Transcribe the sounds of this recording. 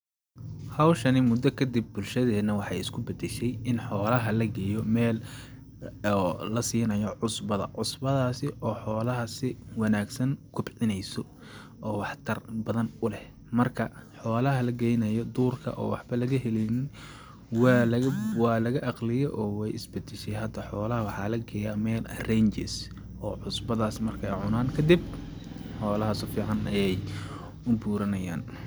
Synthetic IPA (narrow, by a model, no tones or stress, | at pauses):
hɐwʃɐnɪmʊd̪ɔkʰɐd̪ib̚ːʊlʃɐðɛːnɐwɑħɑjɪskʰʊbɐd̪ɛʃɛjɪnħɔːlɐɦɐlɐɡɛːjɔmɛːl | ɔlɐsiːnɐjɔʕʊsbɐðɐ̰ʕʊsbɐðaːsɪʔɔːħɔːlɐɦɐsɪwɑnaːɡsɐŋkʰʊbʕɪnɛjsɔ | ʔɔːwɑħt̪ʰɐrbɐðɐnʊlɛh | mɐrkʰɐħɔːlɐɦɐlɐɡɛjnɐjɔd̪uːrkʰɐ̰ʔɔ̰ːwɑħbɐlɐɣɐɦɛlɛjnɪn | wɑːlɐɐwɑːlɐɣɐʔɑqlɪjɔʔɔːwɛjʔɪsbɐd̪ɪʃɛjɦɐd̪ɐħɔːlɐɦɐwɑħɑːlɐɡɛjamɛːlrɛjnt͡ʃɛs | ʔɔːʕʊsbɐðaːsmɐrkʰɛjʕʊnaːnkʰɐd̪ɪb̚ | ħɔːlɐɦɐsʊfiːʕɑnɐjɛj | ʊbuːɾɐnɐja̰ːn